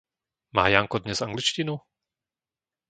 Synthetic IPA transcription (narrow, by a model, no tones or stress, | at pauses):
ma̰ːjaŋkɔd̪ɲɛzaŋɡlit͡ʃcinu